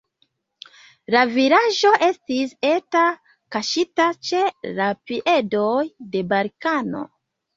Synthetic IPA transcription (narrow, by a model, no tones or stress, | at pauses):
laviɾaʒo̞ʔe̞stise̞ta | kaʃitat͡ʃe̞lapiʔe̞dojde̞balkano̞̰